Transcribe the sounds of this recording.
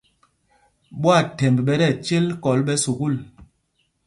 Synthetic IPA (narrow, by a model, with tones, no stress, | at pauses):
ɓwa˦˨tɛ˨mbɓɛ˦ɾɛ˦˨t͡ʃe˦lkɔ˨˦lɓɛ˦su˨ɡu˦˨l